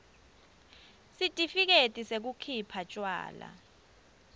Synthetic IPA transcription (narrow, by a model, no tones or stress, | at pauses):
sitʼifik̬etʼisek̬ukʰipʰat͡ʃʼwa̰ːla̰